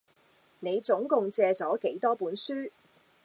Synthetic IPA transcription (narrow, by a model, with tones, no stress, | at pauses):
ne˨˧jt͡sʊ˨˥ŋkʊ˨˧ŋt͡sɛː˧t͡sɔː˨˥ke˨˥jt̪ɔː˥puː˨˥nsyː˥